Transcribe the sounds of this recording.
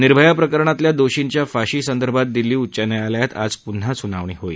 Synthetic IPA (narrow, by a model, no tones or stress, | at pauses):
niɾbʱəjapɾəkəɾɳat̪ljad̪oɕiɲt͡ɕjafaɕiːsənd̪əɾbʱat̪̚d̪iliːutt͡ɕanəjaljat̪a̰d͡zpun̤asunaʋɳ̃iɦoḭː